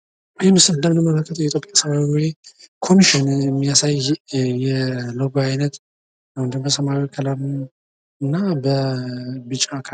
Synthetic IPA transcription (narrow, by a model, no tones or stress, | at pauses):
jimɨsɨd̪amnəmːələlkʰːət̪ʰəwjɛt̪ʰopʼjasəmawiwikʰo̞miʃɪnmːijasajjɛləɡoajnət̪ | awnd̪ɨmbəsəmawikʰəlaɾ | ɨnːabə | bɨt͡ʃʼːakʰa